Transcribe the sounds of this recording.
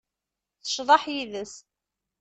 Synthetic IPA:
θə̥ʃðˤɑħjiðəs

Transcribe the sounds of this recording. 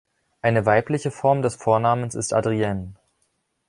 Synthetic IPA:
ʔaɪnəvaɪplɪçəfɔɐmdɛsfoːɐnaːmənsɪstʔa̰dʁiɛn

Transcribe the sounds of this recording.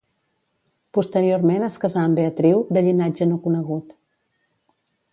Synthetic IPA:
pust̪əɾioɾmenəskəzaəmbeət̪ɾiwd̪əʎinad͡ʒənokunəɣut̪

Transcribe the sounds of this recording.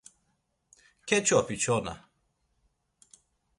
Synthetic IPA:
ket͡ʃoapit͡ʃona̰

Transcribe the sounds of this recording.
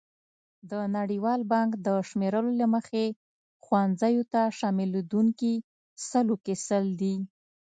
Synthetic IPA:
d̪ənaɽiwɑlbɑŋkd̪əʃmeɾəlolaməxe | xwanzajot̪aʃɑmɪld̪uŋki | səlokesəld̪i

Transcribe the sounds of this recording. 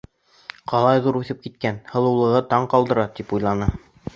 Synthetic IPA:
qɑlˠɑjðuɾʉθɘp̚kit̪̚kænhɤ̆lˠɤ̆wlˠɤ̆ʁɤt̪ɑɴqɑlˠd̪ɤ̆ɾɑt̪ipujlˠɑnɤ

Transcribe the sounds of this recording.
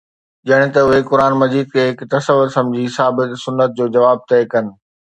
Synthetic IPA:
ʄɐɽ̃ɪ̆t̪ɐʊɦekʊɾaːnmɐziːd̪̚kʰeːɦɪkt̪ɐsəʋʊɾsɐ̃md͡ʑʱisaːbɪt̪sʊnːət̪̚d͡ʑoːd͡ʑɐʋaːb̚t̪ɛːkɐnɪ̆

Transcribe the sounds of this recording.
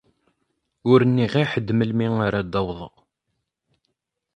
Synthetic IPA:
ʊɾənːiʁiħəd̪məlmiŋaɾad̪ːɑwðˤə̰ʁ

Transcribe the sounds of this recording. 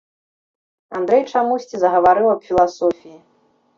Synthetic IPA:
and̪ɾɛjt͡ʂamusʲt͡sʲizɐɣɐvaɾɨwɐpfʲilˠasɔfʲiji

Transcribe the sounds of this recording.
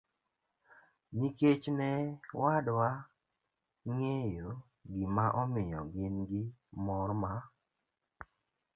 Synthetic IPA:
niket͡ʃnɛwadwa | ŋejo | ɡimaʔɔmɪjɔɡɪnɡɪmɔrma

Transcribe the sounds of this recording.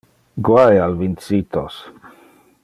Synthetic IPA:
ɡwajalvinsit̪os

